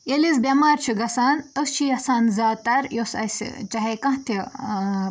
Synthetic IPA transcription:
jelis̬bʲɐmaːɾt͡ʃʰiɡɐsaːnəst͡ʃʰijɐsaːnzaːt̪ɐɾjosɐ̰sḭt͡ʃɐɦekɐ̃ɦt̪ʰi

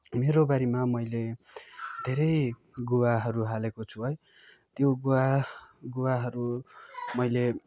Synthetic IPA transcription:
meɾobaɾimamʌjle | d̪ʱeɾʌj | ɡuwaɦʌɾuɦalekot͡sʰuɦʌj | t̪joɡuwaɡuwaɦʌɾumʌjle

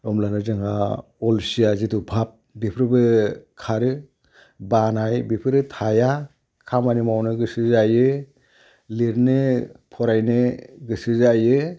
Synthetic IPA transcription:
ɾɔmlanɯzɯŋa | ɔlsiazitubʱap̚bipʰɾɯbɯkʰaɾɯ | banajbipʰɯɾɯtʰaja | kʰamanimawnɯɡɯsɯzajɯ | liɾnɯpʰɔɾajnɯɡɯsɯzajɯ

